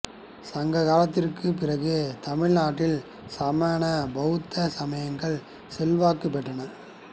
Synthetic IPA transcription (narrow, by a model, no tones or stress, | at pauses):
sɐŋɡɐɣaːlɐt̪ːɪrkɯpɪrɐɣɯt̪ɐmɪɻnaːʈːɪl | saːmaːnɐbɐɣɯt̪ːɐsɐmɐjɐŋɡɐɭ | sɛlʋaːkɯpːɛʈːɐnɐɾ